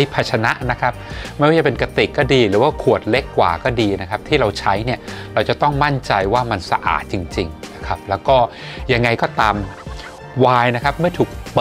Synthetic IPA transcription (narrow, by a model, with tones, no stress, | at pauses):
jpʰa˧˩t͡ɕʰa˧na˦˥ʔna˦˥kʰa˦˥p̚ma˥˩waː˥˩t͡ɕa˨pe˧nka˧t̪i˨˩kːɔː˥˩diː˧ɾɯː˩˦waː˥˩kʰu˨˩ət̪̚le˦˥kːwa̰ː˨˩kɔː˥˩diː˧na˦˥kʰp̚t̪ʰiː˥˩ɾa˧wt͡ɕʰa˦˥jni˥˩ɐɾa˧wt͡ɕa˨˩t̪ɔ˥˩ŋma˥˩nt͡ɕa˧jwaː˥˩ma˧nsa˧ʔa̰ː˨˩t̪̚t͡ɕi˧ŋt͡ɕi˧ŋna˦˥kʰa˦˥p̚lɛː˦˥wkɔː˥˩ | ja˧ŋːa˧jkɔː˥˩t̪aː˧m | waː˧jna˦˥kʰa˦˥p̚mɯ˥˩ət̪ʰuː˨˩k̚pɤ˨˩